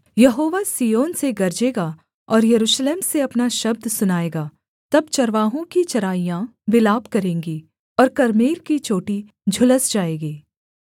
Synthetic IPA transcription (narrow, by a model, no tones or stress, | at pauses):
jɐɦoːʋasijoːnseɡɐɾd͡ʒeːɡa | ɔːɾjɐɾuːʃleːmseɐpnaʃɐb̚d̪sʊnaːeːɡaː | t̪ɐb̚t͡ʃɐɾʋaːɦõkit͡ʃɐɾaːijãʋɪlaːbkɐɾẽːŋɡi | ɔːɾkɐɾmiːɾkit͡ʃoːʈi | d͡ʒʱʊləsd͡ʒaːeːɡiː